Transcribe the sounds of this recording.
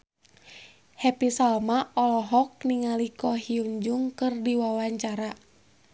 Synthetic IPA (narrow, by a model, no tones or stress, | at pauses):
hɛpisalmaʔɔlɔɦɔk̚niŋalikɔhiuɲd͡ʒuŋkɨrdiwawaɲt͡ʃaɾa